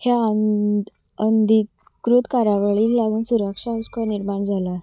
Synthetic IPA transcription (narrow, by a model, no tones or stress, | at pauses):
hjan | ənd̪i | kɾut̪kaɾaʋaɭiːllaɡuːnsuɾəkʂaəskaniɾmaɳd͡zʱala